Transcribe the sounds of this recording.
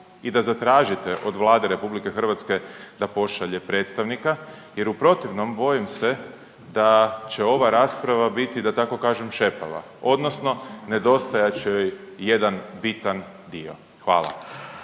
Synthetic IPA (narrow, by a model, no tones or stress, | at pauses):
id̪azat̪ɾaːʒit̪eʔod̪ʋlˠaːd̪eɾe̞publike̞xər̩ʋat̪ske̞d̪apo̞ʃaʎepɾe̞ːt̪st̪aʋnika | je̞ɾupɾo̞t̪iʋno̞mbo̞jimse | d̪at͡ɕe̞o̞ʋaɾaːspɾaʋabit̪id̪at̪ako̞kaːʒemʃe̞pa̰ʋa̰ | o̞d̪no̞sno̞ne̞d̪o̞st̪ajat͡ɕeojjed̪anbit̪an | d̪io̞̰ | xʋa̰ːla̰